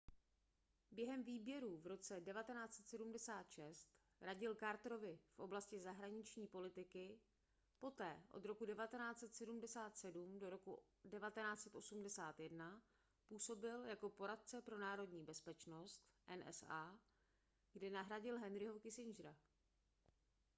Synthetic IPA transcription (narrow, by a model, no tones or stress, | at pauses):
bjɛɦɛmviːbjɛɾuvɾo̞t͡sɛdɛvat̪ɛnaːt͡sɛt̪sɛdumdɛsaːt̪ʃɛst̪ | ɾaɟɪlkaɾt̪ɾo̞vɪfʔo̞blascɪzaɦɾaɲɪt͡ʃɲiːpo̞lɪt̪ɪkɪ | po̞t̪ɛːʔo̞̰d̪ɾo̞kudɛvat̪ɛnaːt͡sɛt̪sɛdumdɛsaːt̪sɛdumdo̞ɾo̞ku | dɛvat̪ɛnaːt͡sɛt̪ʔo̞sumdɛsaːt̪jɛdna | puːso̞bɪljako̞po̞ɾat̪̚t͡sɛpɾo̞naːɾo̞dɲiːbɛspɛt͡ʃno̞st̪ʔɛnʔɛ̰saː | ɡ̥dɛnaɦɾaɟɪlɦɛnɾɪɦo̞kɪsɪnd͡ʒɾa